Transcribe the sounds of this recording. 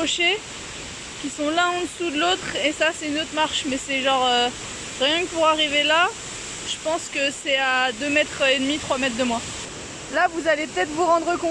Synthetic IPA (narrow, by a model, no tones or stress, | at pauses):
ɔʃe | kʲisɔ̃lɛ̃ɑ̃d̪əsud̪əlot̪χesasɛynot̪χmaʁʃmɛsɛʒɑ̃ʁø | ʁjɛ̃kəpuʁaʁivela | ʒ̥əpɑ̃skəsɛad̪ømɛt̪χed̪mit̪χwamɛt̪χd̪əmwa | lavuzalepət̪ɛt̪χvuʁɑ̃d̪ʁəkɔ̃